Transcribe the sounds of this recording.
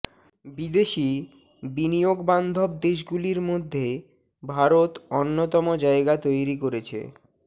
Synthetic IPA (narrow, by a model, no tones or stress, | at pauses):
bid̪eʃi | binijoɡband̪ʱob̚d̪eʃɡuliɾmod̪ʱːe | bʱaɾot̪onːot̪ɔmod͡ʑaeɡat̪ojɾikoɾet͡ɕʰḛ